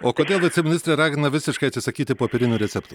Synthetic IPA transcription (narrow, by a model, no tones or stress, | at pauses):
oːkoːd̪ʲeːlˠɐt̪ʲsʲɪmʲɪnʲɪst̪ɾʲeɾɑːɡʲɪnɐʋʲɪsʲɪʃkɐɪt̪sʲɪsɐkʲiːt̪ʲɪpoːpʲɛɾʲɪnʲuːɾʲɛt̪sʲɛpt̪uː